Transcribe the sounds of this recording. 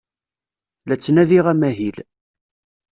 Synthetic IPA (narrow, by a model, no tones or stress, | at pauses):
læt͡sːnæðiʁæmæɦil